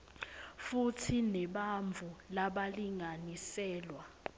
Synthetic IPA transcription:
futʰinɛɓaɱvʱulaɓaliŋanisɛːlwa

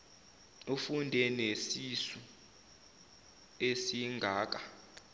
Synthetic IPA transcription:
ufundʱenesisu | esiŋɡʱaːk̬a

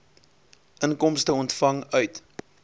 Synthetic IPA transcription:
ʔənkɔmstəɔntfɐŋœɥt

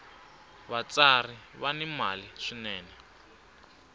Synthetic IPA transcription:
βat͡sariβanimaliʂinɛːnɛ

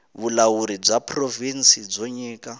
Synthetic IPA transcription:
βulawuɾib͡ʐapʰrovinsid͡zoɲiːkʼa

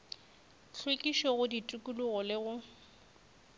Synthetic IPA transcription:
ɬʰwekʼiʃɔɣʊditʼukʼuluɣɔlɪɣʊ

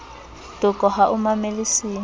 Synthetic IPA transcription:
dʊkʼɔɦaʔʊmamelisiː

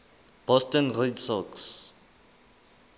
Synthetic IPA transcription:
b̥ɔstɔnredsɔks

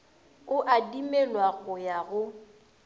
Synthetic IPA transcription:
ʊʔadimɛlwaɣʊjaɣʊ

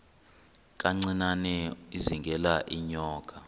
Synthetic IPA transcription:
k̬ʼaŋ͡ǀinanɛiziŋɡʱɛlaʔiɲɔːkʼa

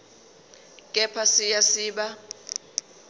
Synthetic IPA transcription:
kʼɛpʰasijasiːɓa

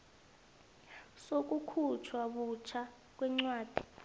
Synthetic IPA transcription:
sok̬ʼukʰut͡ʃʰwaɓut͡ʃʰa | k̬wɛŋ͡ǀwaːd̥ʱi̥

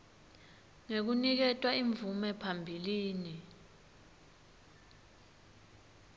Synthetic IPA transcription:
ŋek̬unik̬ɛtʼwaiɱvumɛpʰambʱiliːni

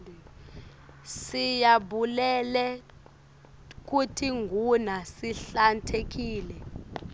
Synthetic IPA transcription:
sijaɓulɛlɛ | k̬utʰiŋɡʱunasiɬantʰek̬iːlɛ

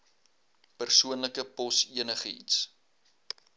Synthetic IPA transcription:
pərsuənləkəpɔsiənəχəḭts

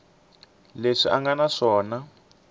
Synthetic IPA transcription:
leʂiʔaŋɡanaʂɔːna

